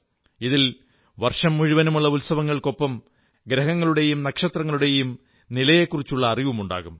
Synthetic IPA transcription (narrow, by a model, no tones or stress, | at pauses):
iðil | ʋɐrʂɐmːuɻiʋɐnɐmuɭːɐulsɐʋɐŋːɐɭko̞pːɐm | ɡɾɐɦɐŋːɐɭuɽe̞jumnɐkʂɐt̪rɐŋːɐɭuɽe̞jum | nilɐje̞kːurit͡ɕːuɭːɐːriʋumuɳɖa̰ːɣum